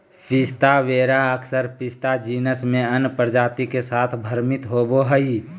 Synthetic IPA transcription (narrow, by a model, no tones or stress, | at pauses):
pɪst̪aʋeːɾaəkʰsəɾpɪst̪ad͡ʒiːnəsmẽənpəɾd͡ʒaːt̪ikesaːt̪ʰbʱəɾmɪt̪ɦoːboɦəi